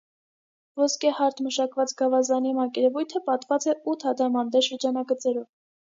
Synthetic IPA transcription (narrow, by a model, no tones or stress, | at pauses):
vɔskɛhɑɾt̪ʰməʃɑkvɑt͡sɡɑvɑzɑnimɑkɛɾɛvujt̪ʰəpɑt̪vɑt͡sɛut̪ʰɑd̪ɑmɑnd̪ɛʃəɾd͡ʒɑnɑɡət͡sɛɾɔv